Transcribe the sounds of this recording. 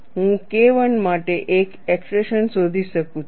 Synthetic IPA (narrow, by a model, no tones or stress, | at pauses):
ɦũkeʋəɳmaʈeʔekekspɾeʃənsod̪ʱiʃəkũt͡ʃʰ